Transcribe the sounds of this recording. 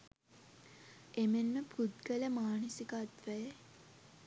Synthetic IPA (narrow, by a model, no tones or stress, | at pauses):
emenməpʰud̪ɡələmaːnəsikat̪ʋæjə